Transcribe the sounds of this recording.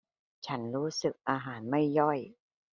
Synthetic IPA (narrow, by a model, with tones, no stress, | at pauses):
t͡ɕʰa˦˥nɾuː˦˥sɯ˨˩k̚ʔaː˧ɦaː˩˦nma˥˩jːɔ˥˩j